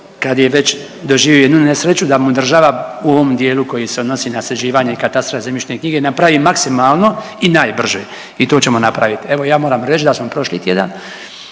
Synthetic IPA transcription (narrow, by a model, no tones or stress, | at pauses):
kad̪je̞ʋet͡ɕ | d̪o̞ʒiːʋjioed̪nunesɾet͡ɕud̪amud̪r̩ʒaːʋauo̞ʋo̞md̪jeːluko̞jiseod̪no̞siːnased͡ʑiːʋaːɲe̞ikat̪ast̪ɾoezemit͡ʃnekɲiːɡenapɾaʋiːmaksimaːlˠno̞ | inaːjbr̩ʒeː | it̪o̞ːt͡ɕe̞mo̞napɾaʋit̪ie̞ʋo̞jaːmo̞ːɾaːmɾet͡ʃd̪asmopɾo̞ʃlḭːt̪jed̪a̰n